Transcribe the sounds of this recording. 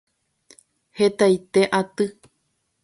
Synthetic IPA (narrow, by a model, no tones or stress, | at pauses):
het̪ajt̪eʔat̪ɨ